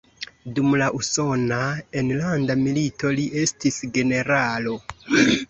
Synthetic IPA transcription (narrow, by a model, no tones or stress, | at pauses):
dumlaʔuso̞naenlandamilito̞liʔe̞stisɡe̞ne̞ɾalo̞